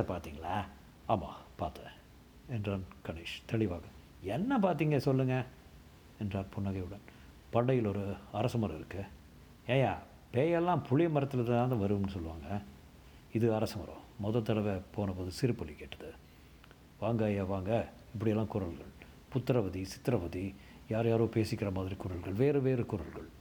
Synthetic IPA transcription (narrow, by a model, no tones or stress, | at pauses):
ɐpaːɾt̪iːŋɡɐɭɐ | aːmã̰ːpaːɾt̪ɐ̃ | ɛndraːnkɐɳeːʂt̪ɛɭɪʋaːɣɐ̃ | ɛnːɐpaːɾt̪iːŋɡɐsɔlːɯŋɡɐ | ɛndraːɾpʊɳːɐɣɐɪɯɽɐn | pɐɳːɐjɪlɔɾɯɐɾɐsɐmɐɾɐ̃ɪɾɯkːɯ | eːjaː | peːjɛlːãːpʊɻɪjɐmɐɾɐt̪ːɯlɐðaaːd̪ãːʋɐɾɯmnɯsɔlːɯʋaːŋɡɐ | ɪðɯɐɾɐsɐmɐɾõ̰mɔðɐt̪ːɐɭɐʋepoːnɐpoːðɯsɪɾɯpːɔlːikeːʈːɐðɯ | ʋaːŋɡaːjɐʋaːŋɡɐ | ɪpːɐɽɪjɛlːãːkʊɾɐlɣɐɭ | pʊt̪ːɪɾɐʋɐðisɪ̥t̪ːɪɾɐʋɐði | jaːɾjaːɾoːpeːsɪkːɪɾɐmaːðɪɾikʊɾɐlɣɐɭʋeːɾɯʋeːɾɯkʊɾɐlɣɐɭ